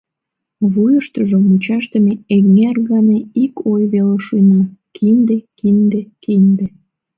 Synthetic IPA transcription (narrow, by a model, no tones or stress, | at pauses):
βujəʃt̪əʒomut͡ɕɑʃt̪əmeeɣŋerɣɑneikʰojβeleʃunəmkʰind̪ekind̪ekind̪e